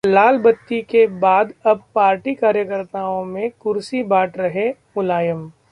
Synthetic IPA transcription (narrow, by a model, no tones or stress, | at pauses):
laːlbɐt̪ːikebaːd̪ɐb̚paːɾʈikaːɾjəkəɾt̪aːõmẽkʊɾsibaːʈɾɐɦe | ʊlaːjəm